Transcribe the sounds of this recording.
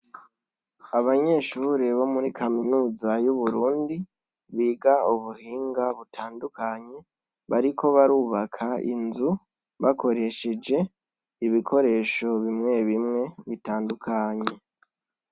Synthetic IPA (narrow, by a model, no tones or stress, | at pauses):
aβaɲe̞ːʃuːɾeβo̞muɾikʰaminuːzajuβuɾuːndi | βiːɡauβuhiːŋɡaβutʰaːndukaɲe̞ | βaɾikʰo̞βaɾuːβakʰaḭnzu | βako̞ɾe̞ʃe̞d͡ʒe̞ | iβikʰo̞ɾe̞ːʃo̞βimŋe̞βimŋe̞βitaːndukʰaɲe̞